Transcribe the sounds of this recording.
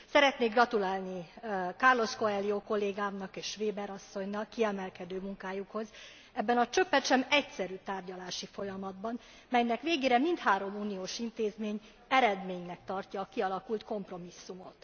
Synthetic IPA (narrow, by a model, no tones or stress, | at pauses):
sɛɾɛt̪neːɡrɒt̪ulaːlnikɒrlo̞sko̞ɛlːioːko̞lːeːɡaːmnɒkeːʃʋeːbɛɾɒsːo̞ɲnɒkːiɛmɛlkɛd̪øːmuŋkaːjukho̞z | ɛbːɛnɒt͡ʃøpːɛt̪ʃɛmɛcsɛɾyːt̪aːrɟɒlaːʃifo̞jɒmɒd̪bɒn | mɛjnɛkʋeːɡeːɾɛmint̪haːɾo̞muːnioːʃint̪eːzmeːɲ | ɛɾɛd̪meːɲnɛk̚t̪ɒrcɒːkiɒlɒkult̪ko̞mpro̞misːumo̞̰t̪